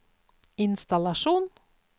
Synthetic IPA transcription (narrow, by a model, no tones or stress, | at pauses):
ɪnst̪ɑlɑʃuːn